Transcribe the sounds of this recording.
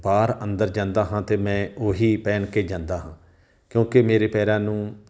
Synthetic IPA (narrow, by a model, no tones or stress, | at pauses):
baːɾə̃nd̪əɾd͡ʒãːnd̪aːɦãːt̪eːmɛ̃ːoːɦiːpɛːɳkeːd͡ʒãːnd̪aːɦãː | kjõːkemeːɾeːpɛːɾãːnũː